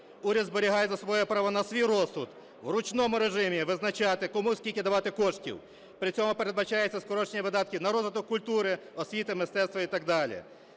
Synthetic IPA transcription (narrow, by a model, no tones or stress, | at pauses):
uɾʲɐd̪zbeɾʲiɦɑjɛzɐsʋɔjɛpɾɑʋɔnɐsʋʲijrɔsʊd̪ | ʋɾʊt͡ʃnɔmʊɾeʒɪmʲiʋɪznɐt͡ʃɑt̪ɪkɔmusʲkʲilʲkʲɪd̪ɐʋɑt̪ɪkɔʃtʲḭw | pɾɪt͡sʲɔmʊpeɾed̪bɐt͡ʃɑjɛt͡sʲːɐskɔɾɔt͡ʃnʲiʋɪd̪ɑt̪̚kʲiwnɐɾɔzʋɪt̪ɔkːʊlʲt̪uɾɪɔsʲʋʲit̪ɪmɪst̪ɛst̪ʋɐit̪ɐɡ̚d̪ɑlʲḭ